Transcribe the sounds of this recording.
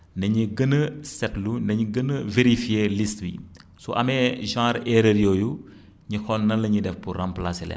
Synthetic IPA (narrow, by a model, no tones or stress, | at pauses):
nɐɲiɡənːɐsɛtlunɐɲiɡənːɐveɾifijelistbḭsɔ̰ʔɐmɛʒãːɾɛɾɐɾjɔːju | ɲixɔnːɐnlɐɲidɛfpurramplasilɛ̰n